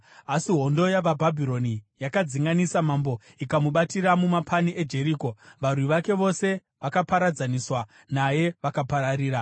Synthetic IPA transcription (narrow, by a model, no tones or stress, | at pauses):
asiɦo̞ndo̞jaʋabʱabʱiɾo̞nijakad͡ziŋɡanisamambo̞ | ikamuɓatiɾamumapʰaniʔe̞d͡ʒe̞ɾiːko̞ʋarwiʋake̞ʋo̞se̞ | ʋakapaɾad͡zaniswa | naje̞ʋakapaɾariːɾa